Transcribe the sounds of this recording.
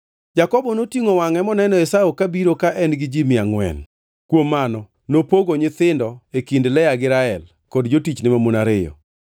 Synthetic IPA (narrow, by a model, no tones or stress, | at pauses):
d͡ʒakɔbɔnotiŋowaŋɛmɔnɛnɔɛsaokabiɾokaʔɛnɡɪd͡ʒimɪaŋwɛ̰n | kwomːanɔ | nopoɡoɲɪt̪ɪndɔekindlɛjaɡɪɾaɛl | kɔdd͡ʒotit͡ʃnɪmamonaɾɪjɔ̰